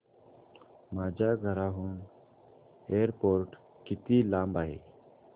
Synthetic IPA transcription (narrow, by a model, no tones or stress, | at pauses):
maːd͡ʒaːɡʱəɾaːɦuːɳ | eːɾpoːɾʈ | kɪt̪iːlaːmbaːɦḛː